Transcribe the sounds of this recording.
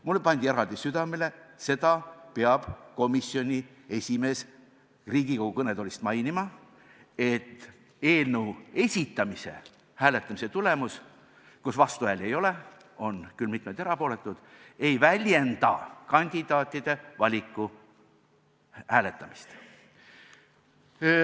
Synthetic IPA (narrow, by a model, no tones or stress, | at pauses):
mulːepɑnʲd̪ieɾɑld̪̥isyd̪̥ɑmele̞se̞d̪̥ɑpeɑb̥ko̞misːio̞nʲi | e̞sʲime̞ːs | riːɡikoɡ̥ukɤned̪olist̪mɑjnimɑ | e̞t̪ː | eːlnəue̞sʲit̪ːˑɑmise̞̰ | hæːle̞t̪ːˑɑmise̞t̪ule̞mus | kusvɑst̪uæle̞jo̞le̞ | o̞nkylmit̪met̪eɾɑpo̞ːle̞t̪ːˑud̪̥e̞jvælʲje̞nd̪̥ɑ̰kɑnʲd̪̥id̪̥ɑːt̪ʲːˑid̪̥e̞vɑlʲikːˑu | hæːle̞t̪ːˑɑmist̪